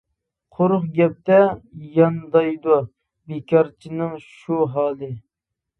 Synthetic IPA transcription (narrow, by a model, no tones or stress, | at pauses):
qʰoɾʊχɡʲɛp̚t̪ɛjɑnd̪ɑjd̪u | bekʲɑɾt͡ʃʰinɨŋʃuɦɑːlˠɨ